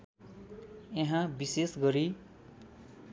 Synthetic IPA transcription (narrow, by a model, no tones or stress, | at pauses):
eɦãbisesɡʌɾi